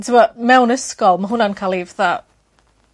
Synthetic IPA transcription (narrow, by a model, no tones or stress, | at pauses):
tʰwəmɛwnɪskɔlˠməɦʊnankʰalˠivða